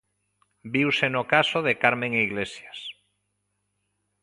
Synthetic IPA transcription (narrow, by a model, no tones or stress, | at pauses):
biwsenokasoðekaɾmẽŋeiɣlesjas